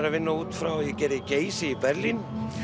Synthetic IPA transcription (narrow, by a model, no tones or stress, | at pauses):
ɾavɪnːauːt̪fɾawɔjɛcɛːɾɪceːjsɪipɛɾlin